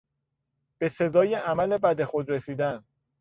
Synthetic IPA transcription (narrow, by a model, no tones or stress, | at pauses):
b̥e̞se̞zɒːjeʔæmæle̞bæd̪e̞xod̪ɾe̞siːd̪æn